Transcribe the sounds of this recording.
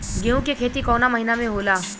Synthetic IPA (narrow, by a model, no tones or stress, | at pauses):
ɡeːũkekʰeːt̪ikɔːnamɐɦinamẽɦoːlaː